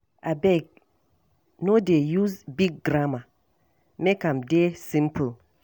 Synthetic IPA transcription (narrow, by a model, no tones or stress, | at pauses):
abɛk̚ | nodejuzbiɡ̚ɡɾama | mekãmdesĩmpʰul